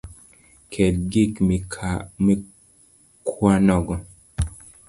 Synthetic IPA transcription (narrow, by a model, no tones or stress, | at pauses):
kʰɛd̚ɡikmikʰame | kʰwanɔɡɔ